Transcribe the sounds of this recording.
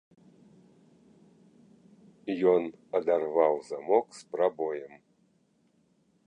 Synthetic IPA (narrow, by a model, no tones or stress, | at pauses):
jɔnad̪arvawzamoksprabojɛm